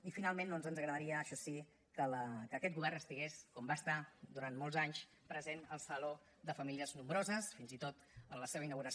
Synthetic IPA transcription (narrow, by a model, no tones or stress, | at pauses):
ifinalˠmẽnd̪ɔnzənzəɣɾəðəɾiəːʃɔsi | kələkəːkɛt̪̚ɡuβɛrnəst̪iɣeskɔmbast̪ad̪uɾanmɔlˠzaɲs | pɾəzenəlˠsəlo | d̪əfəmiliəznumbɾozəsfinzit̪ot̪ənləseβəinəɣuɾəs